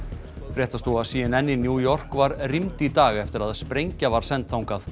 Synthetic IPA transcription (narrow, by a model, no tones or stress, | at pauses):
fɾjɛːht̪ast̪uaðsiːɪnɛnːɪnjuːjɔr̥kvaɾrimt̪it̪aːɣɛft̪ɪɾaðspɾejɲcavaɾ̥sɛnt̪θawŋkaθ